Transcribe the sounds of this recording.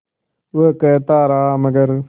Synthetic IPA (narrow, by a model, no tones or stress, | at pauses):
ʋəkɐt̪aːɾaːamɐɡɐɾ